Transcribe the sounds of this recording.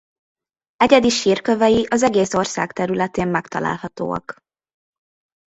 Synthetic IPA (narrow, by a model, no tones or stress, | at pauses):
ɛɟɛd̪iʃiːrkøvɛjiʔɒzɛɡeːso̞rsa̰ːkt̪ɛɾylɛt̪eːmmɛkt̪ɒla̰ːlhɒt̪o̰ːɒ̰k